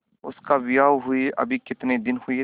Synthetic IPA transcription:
ʊ̰skaʋɪjaːwɦʊiʔɐ̰bʱikɪt̪ned̪ɪnhʊe

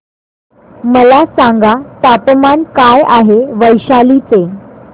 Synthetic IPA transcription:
məlasãŋɡat̪apəmankajaɦeʋəjɕalit͡se

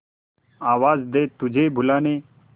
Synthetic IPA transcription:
aːʋaːzd̪eːt̪ʊd͡ʒʱeːbʱʊlaːneː

